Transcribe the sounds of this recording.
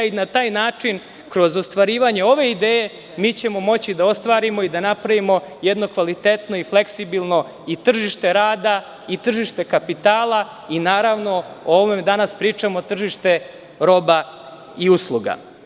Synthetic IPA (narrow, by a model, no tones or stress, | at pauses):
inat̪aːjnaːt͡ʂin | kɾo̞zost̪ʋaɾiːʋaɲe̞o̞ʋe̞id̪eːje̞ | miːt͡ɕe̞mo̞mo̞t͡ɕid̪ao̞st̪ʋaːɾimo̞id̪anapɾaʋimo̞jed̪no̞kʋalit̪et̪no̞ifle̞ksibilˠno̞ | it̪r̩ʒiʃt̪e̞ɾaːd̪a | it̪r̩ʒiʃt̪e̞kapit̪aːlˠa | inaːɾaʋno̞oomed̪anaspɾiːt͡ʂamo̞t̪r̩ʒiʃt̪e̞ | ɾo̞ba | iuslˠuɡa̰